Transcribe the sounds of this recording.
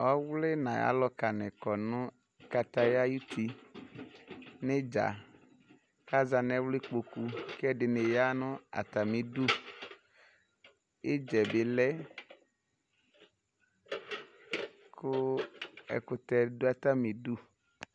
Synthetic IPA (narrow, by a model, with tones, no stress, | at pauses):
ɔ˦wle˦nã˨ja̰˦lɔ˦ka˨nɛ̃˨kɔ˨nũ˦ | ka˨t̪a˦ja˦ju˦t̪ʰi˨ | ne˦d͡ʒa̰˨ | ka˦za˨nɛ̃˦wle˦k͡po˨ku˦kɛ˦ɖɪ˨ne˨ja˦nʊ̃˦a̰˨t̪a˨mĩ˨du˦ | e˦d͡ʒɛ˨be˨lɛ˦ | kʰʊ˦ | ɛ̰˨ku˦t̪ɛ˦do˦a˨t̪a˦me˨du˦